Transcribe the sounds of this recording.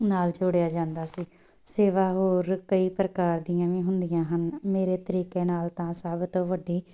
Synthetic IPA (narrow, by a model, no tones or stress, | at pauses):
naːld͡ʒoɽejaːd͡ʒãːnd̪aːsiː | seːʋaːɦoːɾkəiːpɾəkaːɾd̪ɪjãːʋĩːɦʊnd̪ɪjãːɦənmeːɾeːt̪əɾiːkeːnaːlt̪ãːsəbt̪õːʋəɖiː